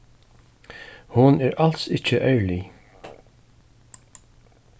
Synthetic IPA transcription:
hʊnɛːɹal̥sɪt͡ʃːəʔœɥli

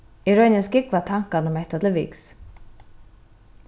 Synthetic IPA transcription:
iɾœɥnɪnscɪkvat̪ʰaŋ̥kanʊmɛht̪at̪lɪvḭːks

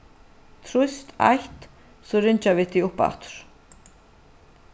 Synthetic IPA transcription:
t̪ʰɾust̪a̰jht̪ | sɔrɪɲt͡ɕavɪt̪ʰiʊhpa̰ht̪ʏ̥ɾ̥

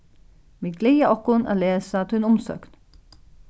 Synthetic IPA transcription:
ʋiːɡlɛjaɔkːʊna̰ːleːsat̪ʰʉʏnʊmsø̰ːkn

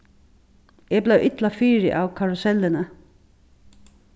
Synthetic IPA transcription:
ɛblæwʔɪt̪lafiːɾɪ̰ʔawkʰaɹʊsɛlːɪnə

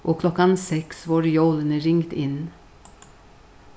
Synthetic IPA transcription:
ʔoːkʰlɔkɑnsɛksʋɑːɾjoːlənəɾɪŋt̪ɪn

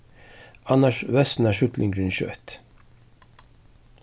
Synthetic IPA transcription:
ɑnɑʃʋɛsn̩æːʃʉt̪lʔɪŋɡɾʉnçø̰ʔɛ̰t̪

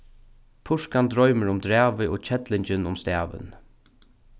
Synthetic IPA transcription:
pʰʊʂkand̪ɾɔʏməɾʊmd̪ɾæːʋɪʔo̰ːt͡ɕʰɛt̪lɪɲt͡ɕɪnʊmst̪æːʋɪ̰n

